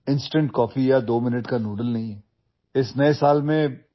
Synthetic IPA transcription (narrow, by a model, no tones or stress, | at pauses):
ɪ̃nsʈə̃ɳʈkɔːfijad̪oːmɪnəʈkanuːɖəlnɐɦĩɦɛː | ɪsnɐesaːlmẽ